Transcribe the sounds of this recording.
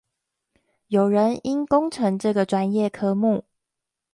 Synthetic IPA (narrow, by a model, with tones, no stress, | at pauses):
jo˨˩ʊɻə˧˦ni˦nkʊ˥ŋʈ͡ʂʰɤ˧˦˥ŋʈ͡ʂɤ˥˩ɡə˩ʈ͡ʂwa˦njɛ˥˩kʰɤ˥mu˥˨